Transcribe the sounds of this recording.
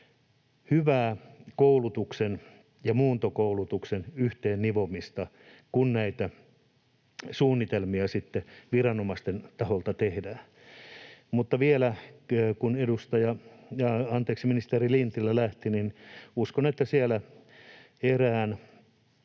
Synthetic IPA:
hyʋæːkoulut̪uksen | jɑmuːnt̪okoulut̪uksenyht̪eːnniʋomist̪ɑ | kunnæit̪æ | suːnːit̪elmiɑsit̪ːeʋirɑnomɑst̪ent̪ɑholt̪ɑt̪ehdæː | mut̪ːɑʋielækunedust̪ɑjɑjɑɑnt̪eːksminist̪erilint̪ilːælæht̪ininuskonet̪ːæsielæ | eræːn

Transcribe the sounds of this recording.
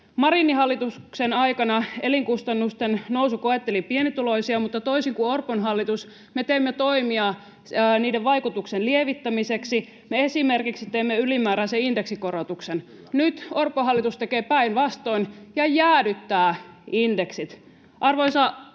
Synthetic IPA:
mɑɾinːihɑlːit̪uksenɑikɑnɑeliŋkust̪ɑnːust̪ennousukoet̪ːelipienit̪ulo̞isiɑmut̪ːɑt̪oisiŋkuorponɦɑlːit̪us | met̪eimːet̪oimiɑː | niːdeʋʋɑikut̪uksenlieʋit̪ːæmiseksi | meesimerkiksit̪eimːeylimæːɾæseindeksikoɾot̪uksen | nyt̪orpˑoɦɑlːit̪ust̪ekeːpæinʋɑst̪oinjɑjæːdyt̪ːæːindeksit̪ | ʔɑrʋoisɑ

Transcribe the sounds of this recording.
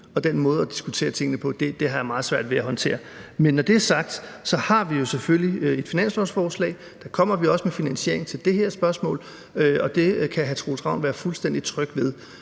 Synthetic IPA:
ɒ̽d̥enmɔ̽ːð̞̩ˠɒd̥isɡ̥ut͡sʰe̝̰ːɐt͡sʰe̝ŋ̰ənəpʰɒ̽d̥e̝d̥e̝ɦɑ̈jämɑ̈ːð̞̩ˠsʋæɐ̰d̥ʋeæɦɒ̽nt͡sʰe̝̰ːɐ | menːɒd̥e̝æɐsɑ̈ɡ̥̚d̥sɒ̽hɑ̈ʋijo̝seføljie̝d̥finæn̰sɒsfɒːslɛ̰ɪ | d̥ɑ̈kʰɒ̽m̰ɐʋiɒ̽səmefinænsie̝ɐ̰eŋt͡sʰe̝ld̥e̝ɦeɐsb̥ɶɐsmɔ̰̽ːl | øɒ̽d̥e̝kʰæɦæt͡sʰʁo̰ːlsʰʁɑ̈ʊ̰nʋæːɐfulsd̥en̰d̥it͡sʰʁœɡ̥ʋeð̞ˠ

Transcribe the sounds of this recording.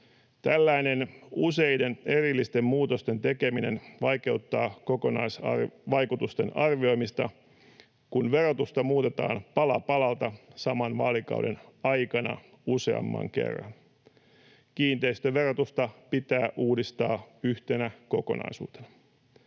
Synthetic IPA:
t̪ælːæjne̞nuse̞jde̞ne̞ɾilːist̪e̞mːuːt̪o̞st̪e̞nt̪e̞ke̞mine̞̰nʋɑjke̞ut̪ːɑːko̞ko̞nɑ̰jsɑ̰ʋɑjkut̪ust̪e̞̰nɑrʋio̞jmist̪ɑ | kunʋe̞rot̪ust̪ɑmuːt̪e̞t̪ɑ̰ːnpɑlɑpɑlɑlt̪ɑsɑmɑnʋɑ̰ːlikɑ̰wde̞̰nɑjkɑnɑ̰ | use̞̰ɑ̰mːɑ̰ŋke̞̰rːɑ̰n | kiːnt̪e̞ist̪øʋe̞rot̪ust̪ɑpit̪æːʔuːdist̪ɑːyçt̪e̞næko̞ko̞̰nɑ̰jsṵːt̪e̞̥nɑ

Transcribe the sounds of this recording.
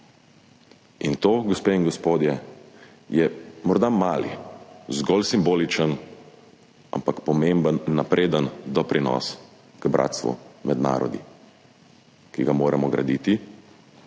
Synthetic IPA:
int̪oːɡɔspeiŋɡɔspoːd̪jɛ | jɛmɔɾd̪amaːlḭzɡɔlsimboːlit͡ʃən | a̰mpakpɔmembənːapɾʔeːd̪ənd̪ɔpɾinɔ̰s | kbɾʔa̰ːt̪st̪ʋṵmɛd̪na̰ːɾɔ̰d̪ḭ | kiɡamoːɾɛmɔɡɾa̰d̪iːt̪i

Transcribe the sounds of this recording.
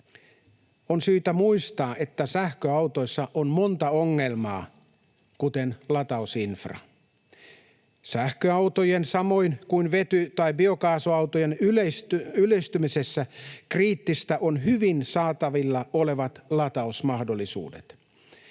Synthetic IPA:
onsyːt̪æmuist̪ɑːʔe̞t̪ːæsæhkøɑut̪o̞jsːɑʔonmo̞nt̪ɑoŋːe̞lmɑ̰ː | kut̪enlɑt̪ɑusinfrɑ̰ | sæhkøɑwt̪ojensɑmo̞inkuinʋet̪yt̪ɑibio̞kɑːsoɑwt̪ojenyesylest̪ymisesːækriːt̪ːist̪æʔonɦyʋinsɑːt̪ɑʋilːɑole̞ʋɑt̪lɑt̪ɑusmɑhdo̞lːˑisṵːdḛt̪

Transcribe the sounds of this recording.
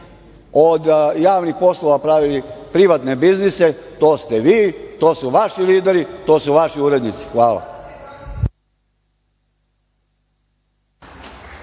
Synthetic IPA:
od̪jaːʋnixpo̞slˠoʋapɾaʋilipɾiʋat̪ne̞bizniset̪oːst̪eʋiːt̪o̞ːsuʋaʃiliːd̪eɾit̪o̞ːsuʋaʃiuɾe̞d̪nit̪si̥xʋaːlˠa̰

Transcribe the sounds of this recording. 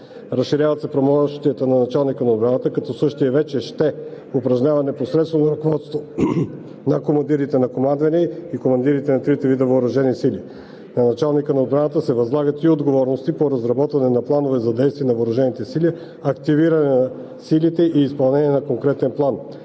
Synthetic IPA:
ɾɐsʃiɾʲjavɐt̪sɛpɾomɔʃt̪ijət̪ənɐnɐt͡ʃalˠnikənɐod̪̚bɾanət̪əkɐt̪ɔsɤʃt̪iɛvɛt͡ʃɛʃt̪ɛ | opɾɐʒɲʲavɐnɛposɾɛt̪st̪vonɐɾɐkovɔt̪st̪vo | nɐkomɐnd̪iɾit̪ɛnɐkomand̪vɐniikomɐnd̪iɾit̪ɛnɐt̪ɾit̪ɛvid̪əvoːɾɐʒɛnisili | nɐnɐt͡ʃalˠnikənɐod̪̚bɾanət̪əsɛvɐzlˠaɡət̪iod̪ɡovɔɾnost̪ipoɾɐzɾɐbɔt̪vɐnɛnɐplˠanovɛzɐd̪ɛjst̪viɛnɐvoːɾɐʒɛnit̪ɛsili | ɐkt̪iviɾɐnɛnɐ | silit̪ɛʔiːspɐlˠnɛniɛnɐkoŋkɾɛt̪ɛnplˠan

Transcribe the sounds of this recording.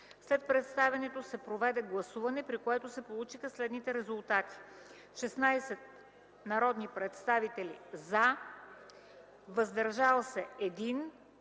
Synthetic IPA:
slɛt̪̚pɾɛt̪st̪avɛnɛt̪osɛpɾovɛd̪ɛɡlˠɐsuvɐnɛpɾikoɛt̪osɛpolˠut͡ʃixəslɛd̪nit̪ɛɾɛzulˠt̪at̪i̥ | ʃɛsnajsɛt̪̚ | nɐɾɔd̪nipɾɛt̪st̪avit̪ɛlḭza | vəzd̪ɐɾʒalˠsɛɛd̪in

